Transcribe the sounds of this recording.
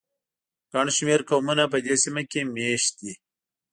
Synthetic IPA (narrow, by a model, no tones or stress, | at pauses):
kaɳʃmeɾkomunapəd̪esimakemeːʃt̪i